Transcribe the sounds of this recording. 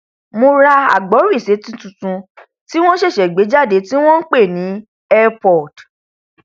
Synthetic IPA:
mo˧ɾa˧a̰˨ɡ͡bɔ˨˦ɾi˦˨se˨˦tũ˦tũ˨tũ˧ | ti˦w̃ɔ̃˦ʃe˦˨ʃɛ˨ɡ͡be˨˦d͡ʒa˦˨de˨˦ti˦w̃ɔ̃˦n̩˦k͡pe˦˨nĩ˨˦ | ɛ˦pɔ˦˨d̥

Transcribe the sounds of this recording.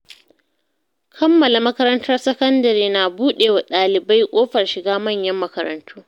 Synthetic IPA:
kʰɐ˦mːɐ˨la˨mɐ˦kɐ˦ɾɐ˦ntɐ˦rsɐ˦kɐ˦ndɐ˨ɾiː˦naː˨buː˦ɗeː˨wa˨ɗaː˨lɪ˨ba˦jkʷʼoː˦ɸɐ˨rʃɪ˨ɡaː˦mɐ˦˨ɲjɐ˦mːɐ˦kɐ˦ɾɐ̰˨ntʰuː˦

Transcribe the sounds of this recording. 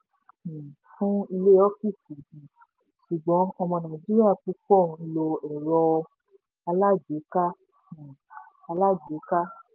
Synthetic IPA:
fũ˦i˧le˦ɔ˦fi˦˨si˨ĩ˨ | ʃu˨ɡ͡bɔ̃˨˦ɔ˧mɔ̃˧nã˨d͡ʒi˦ɾi˦a˦˨k͡pu˦k͡pɔ̃˦˨˦lo˧ɛ˨ɾɔ˧ | a˧la˦d͡ʒe˨˦kã˦˨ | a˧la˦d͡ʒe˨˦ka˦

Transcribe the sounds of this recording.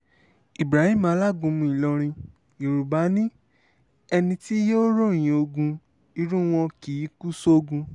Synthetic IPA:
i˨bɾa˨˦hĩ˦mã˧˦˧la˦˨ɡũ˧mũ˧i˨lɔ˧ɾ̃ĩ˧ | i˨ɾu˨ba˨˦nĩ˦ | ɛ˧nĩ˧ti˦jo˦ɾo˦˨j̃ĩ˨o˧ɡũ˧ | i˧˦ɾũ˦w̃ɔ̃˧ki˨˦ku˦so˦o˦˧ɡũ˧

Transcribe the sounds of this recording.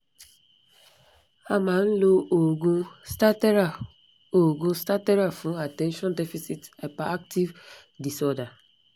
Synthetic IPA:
a˦mã˨n̩˦lo˦o˨ɡũ˦sta˦tɛ˦ɾa˨ | o˨ɡũ˦sta˦tɛ˦ɾa˨fũ˨˦a˨tɛ̃˦nʃɔ̃˦ndɛ˦fi˦si˦ta˨pa˨a˦k̚ti˦v | di˨sɔ˦da˨

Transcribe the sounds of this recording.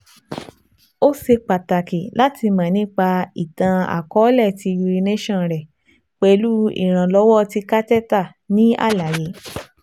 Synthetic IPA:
o˦ʃe˧k͡pa˨ta˨ki˨la˦ti˧mã˨nĩ˦k͡pa˧i˨tã˧a̰˨kɔ˨˦lɛ˦˨ti˧ju˧ɾi˧nẽ˦ʃɔ̃˦˨ɾɛ˨ | k͡pe˧˦˧lu˦ḭ˨ɾ̃ã˨lɔ˧˦wɔ˦˧ti˧ka˦tɛ˦ta˦˨ | nĩ˦a̰˦˨la˨je˨˦

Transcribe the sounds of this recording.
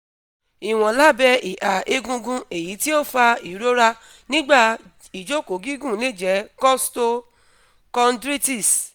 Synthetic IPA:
i˨w̃ɔ̃˨la˦bɛ˧i˨ʔa˨e˧ɡũ˧ɡũ˧e˨ji˨˦ti˦o˦˨fa˧i˨˦ɾo˦ɾa˦ | nĩ˦ɡ͡ba˦˨ | i˨d͡ʒo˦˨ko˨˦ɡi˦ɡũ˦˨nĩ˦˨d͡ʒɛ˨˦kɔ˦sto˧ | kɔ˧ndɾi˦ti˦˨s

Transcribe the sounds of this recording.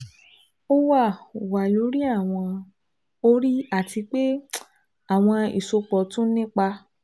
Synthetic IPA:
o˦wa˦˨wa˨lo˨˦ɾi˦a˦˨w̃ɔ̃˧ | o˦ɾi˦a˦˨ti˧k͡pe˦ | a˨w̃ɔ̃˧ḭ˨so˧k͡pɔ˨tũ˦nĩ˦k͡pa˧

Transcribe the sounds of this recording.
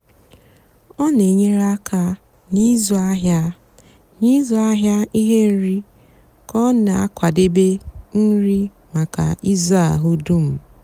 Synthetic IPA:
ɔ˦ne˨ɲe˦ɾa˦kʰa˦ | ni˦zo˨a˦ɦja˦ | ni˦zɔ˨a˦ɦja˦i˦ɦe˦n̩˦ɾi˦ | kɔ˦na˨a˦kʷa˨de˦be˦n̩˦ɾi˦ | ma˨ka̰˨i˦za̰˦˨ɦʊ˦du˦m̩˨

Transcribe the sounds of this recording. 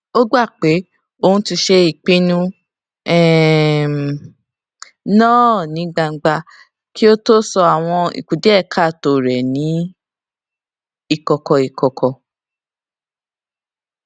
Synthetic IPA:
o˦ɡ͡ba˦˨k͡pe˨˦ | o˧hũ˧ti˧ʃe˦i˦˨k͡pĩ˦nũ˦ | ɛ˨ | nɔ̃ː˦˨nĩ˨˦ɡ͡ba˧˨ɡ͡ba˧ | ki˦o˦to˦sɔ˧a˨w̃ɔ̃˧ḭ˨ku˨de˨˦ɛ˦˨kʰa˦˨to˨ɾɛ˨nĩ˨˦ | i˦˨kɔ˨kɔ˧i˨kɔ˨kʰɔ˧

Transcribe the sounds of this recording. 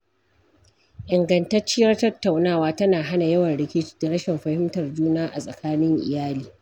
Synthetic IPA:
ʔɪ˨ŋɡɐ˨ntɐ˦rt͡ʃːɪ˦jɐ˦rtɐ˦tːa˨wnaː˦waː˦tɐ˦naː˨ɦa˦na˨jɐ˦wɐ˨nɽɪ˦kʲɪ˦t͡ʃi̥˦da˨ɽɐ˦ʃɛ˨mɸɐ˨hɪ˦mtɐ˨rd͡ʒuː˦naː˦ʔa˨sʼɐ˨kaː˦nɪ˦ŋʔɪ̰˨jaː˦liː˨

